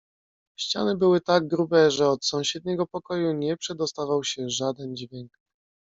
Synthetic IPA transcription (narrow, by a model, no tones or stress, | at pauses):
ɕt͡ɕa̰nɘbɘwɘt̪aɡ̚ɡɾubɛʐɛɔt̪sɔ̃w̃ɕɛd̪̚ɲɛɡɔpɔkɔjuɲɛpʂɛd̪ɔst̪avawɕɛʐad̪ɛnd͡ʑvʲjɛŋk